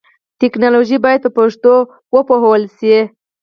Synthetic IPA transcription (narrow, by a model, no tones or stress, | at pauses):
t̪ɪknɑloʒibɑjad̪̚pəpaʂt̪o | wəpohwəlsi